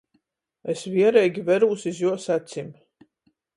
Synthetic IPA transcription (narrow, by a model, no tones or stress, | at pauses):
esvʲiɛɾɛjɡʲivɛɾuːsʲizjuɔsat̪simʲ